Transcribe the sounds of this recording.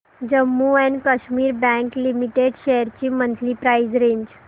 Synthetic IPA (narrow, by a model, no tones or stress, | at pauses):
d͡ʑəmːuɛnkəɕmiːɾbɛ̃ŋklimiʈeɖɕejəɾt͡ɕiːmənt̪ʰliːpɾajd͡zɾeɲd͡ʑ